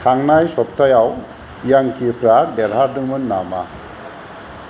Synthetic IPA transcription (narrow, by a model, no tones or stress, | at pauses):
kʰaŋnajsɔp̚tʰajaw | jaŋkʰipɾadɛɾɦaɾdɯŋmɯnːama̰